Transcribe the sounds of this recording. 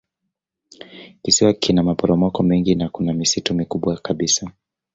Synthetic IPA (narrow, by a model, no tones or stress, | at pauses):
kisiwakʰinamapɔɾɔmɔkɔmɛŋɡinakunamisitumikuɓwakaɓisa